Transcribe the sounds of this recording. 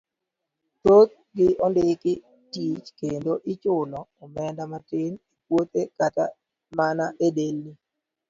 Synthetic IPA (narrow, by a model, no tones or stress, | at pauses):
tot̪̚ | ɡɪɔndɪkɪ | tit͡ʃkendoʔɪt͡ʃʊlɔɔmɛndamatɪnikwot̪ekata | manaʔedelːi